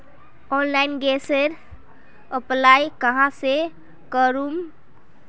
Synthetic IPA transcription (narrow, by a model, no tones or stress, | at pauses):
onlainɡeseɾ | əplajkəɦãse | kəɾum